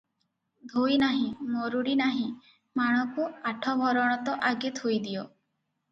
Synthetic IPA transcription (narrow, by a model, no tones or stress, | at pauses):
d̪ʱojnaɦĩmoɾuɽinaɦĩ | maɽ̃ɔkuaʈʰɔbʱɔɾɔɽ̃ɔt̪ɔʔaɡet̪ʰojd̪ijo